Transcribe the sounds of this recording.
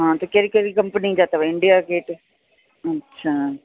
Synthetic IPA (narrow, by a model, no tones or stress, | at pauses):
ɦãːt̪ekeɾikɛɾiːkəmpənid͡ʒaːt̪aʋaɪɳɖijaːkeːʈ | ətːʃʰaː